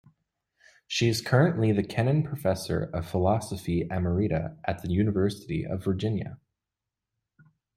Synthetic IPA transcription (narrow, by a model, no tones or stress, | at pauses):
ʃiɨz̥kʰɜ˞ɨ̃nʔliðɨkʰɛnɨ̃npʰɹ̥əfɛsə̰˞ʌv̥fəlɑsəfiæmə˞iɾɨ̰ʔɨt̪̚ðɨjʉnəvɜ˞sɨɾḭʔʌ̰və˞d͡ʒɪ̃njɨ̰